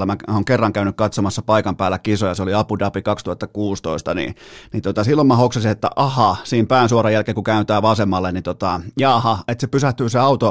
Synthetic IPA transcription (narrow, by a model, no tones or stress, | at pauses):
æmæoːŋkerːɑŋkæynykkɑt̪somɑsːɑpɑikɑmpæːlːˑækisojɑseoliɑpudɑpikɑkst̪uhɑt̪ːɑkuːst̪oist̪ɑnḭnit̪ot̪ɑsilːomɑhokseɑsiet̪ːæ̰ʔɑhɑsiːmpæːnsuɑrɑjælkeːŋkukæynt̪æːʋɑsemːɑlːenit̪ot̪ɑjɑːhɑet̪sepysæht̪yːseɑut̪o